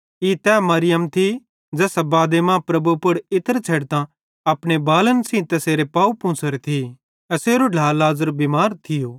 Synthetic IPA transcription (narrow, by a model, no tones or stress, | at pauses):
it̪ɛːmɐɾɪjəmt̪ʰi | d͡ʒɛːsabaːd̪emãpɾɐbupʊɽɪt̪əɾt͡ʃʰeɽt̪ã | ɐpɽ̃ebaːlənsĩt̪ɐseːɾepaːupʊ̃ːsʰəɾt̪ʰi | ɐseːɾoɖʱaːlaːzəɾbimaːɾt̪ʰɪjoː